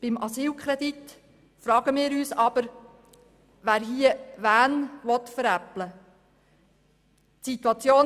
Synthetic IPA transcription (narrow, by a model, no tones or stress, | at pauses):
b̥ɪmɑsiːlkʰɾɛd̪it̪ | fɾɑːɡ̥əmɪːɾyːsɑb̥əɾ | ʋæːɾɦiəʋæːnʋɔt̪fəɾæplə | tsit̪wɑt͡sjoː